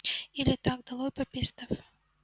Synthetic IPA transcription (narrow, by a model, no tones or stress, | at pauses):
ilʲɪt̪ak̚d̪ɐlˠojpɐpʲist̪əf